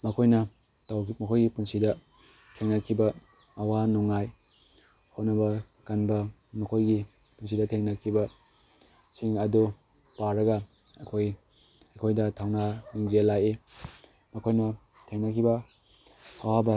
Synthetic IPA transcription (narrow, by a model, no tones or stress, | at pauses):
mɐkʰojnɐ | tawmɐkʰojɡipunsidɐ | tʰeŋnakʰibɐː | wanuŋaj | hotnɐbɐ | kanbɐ | mɐkʰojɡi | puns̬idɐtʰeŋnɐkʰibɐ | siŋɐdu | paɾɐɡɐ | ɐkʰoj | ɐkʰojdɐtʰawnaniŋzelaje | mɐkʰojnɐ | tʰeŋnakʰibɐ | ɐwabɐ